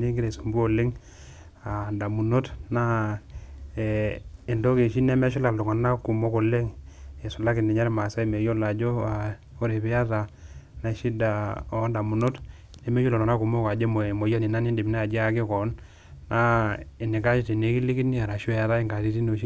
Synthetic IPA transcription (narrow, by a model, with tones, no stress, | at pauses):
ne˦ŋɡɪ˦ɾe˨so˨mbu˦o˦˨lɪ˦ŋ | a˨da˨mu˨no˦tna˦ | e˨e˨ndo˦ke˨ʃi˦ne˦mɛ˦ʃ̬u˦la˨lu˨ŋa˨na˦ku˨mo˦ko˨le˦ŋe˨su˨la˦ki˨ni˨ɲa˦ɾe˦ma˨sa˦e˨me˨jo˦la˨d͡ʒo˦a˨ | o˦ɾe˨pɛ˦a˦ta˨na˦˨ʃi˦da˨o˦nda˨mu˨no˦t | ne˨me˦o˦lo˨na˦ku˨mo˦ka˨d͡ʒe˦mo˨mo˨ja˦ni˨na˦ni˦di˨mi˨na˦a˨d͡ʒe˦a˨kɪ˦kɔ˨˦n | na˦e˨ni˨ka˦t͡ʃi˦ti˨ne˨˦ki˦li˦ki˦ni˦a˨ɾa˨ʃo˦ja˨ta˦i˦ŋɡa˨ti˦ti˦no˨ʃi˦